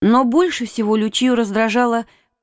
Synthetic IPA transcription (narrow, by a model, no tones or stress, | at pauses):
nobo̞lʲʂɨfsʲɪvolʲʊt͡ɕɪjʊɾəzd̪ɾɐʐɑlˠə